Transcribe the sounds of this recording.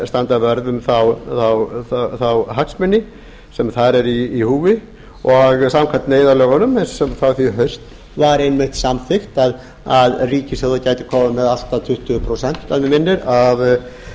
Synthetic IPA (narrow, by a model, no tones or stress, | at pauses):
st̪ant̪avœɾðʏmθawθawθθawɦaksmɪnːɪ | sɛmθaɾɛɾiːhuːvɪ | ɔɣsamkʰat̪neːjðaɾlœːɣanʏmɛnssɛmθawθiɦœɥst̪ | vaɾejnmɪht̪samθɪxt̪að | aðriːcɪsɛðacaːjt̪ɪ̥kʰɔːmʏmɛðal̥t̪at̪ʰʏht̪ʏpʰɾosɛn̥t̪aðvɪmɪnːɪɾav